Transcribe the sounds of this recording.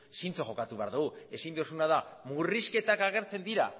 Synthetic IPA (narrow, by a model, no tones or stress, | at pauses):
sint͡soxo̞kat̪uβe̞aɾðuɣue̞sind̪osunaðamuriske̞t̪akaɣ̞e̞ɾt͡se̞nd̪iɾa̰